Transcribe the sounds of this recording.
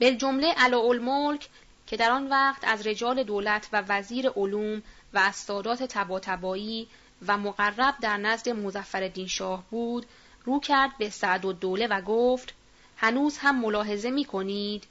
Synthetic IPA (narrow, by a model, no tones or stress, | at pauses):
b̥eld͡ʒo̞mle̞ʔælɒːolmolcʰ | cʰe̞d̪æɾɒːnvæːqt̪ʰæzɾe̞d͡ʒɒːle̞d̪oːlæt̪ʰvævæziːɾe̞ʔoluːm | væːst̪ɒːd̪ɒːt̪ʰe̞t̪ʰæbɒːt̪ʰæbɒːiː | væmoɣærːæb̚d̪æɾnæzd̪e̞mozæfːæɾe̞d̪iːnʃɒːhbuːd̪ | ruːcʰæɾd̪̚be̞sæʔd̪od̪ːoːle̞væɡoːft̪ | hænuːzhæmːo̞lɒːɦe̞ze̞miːkʰo̞niːd̪̥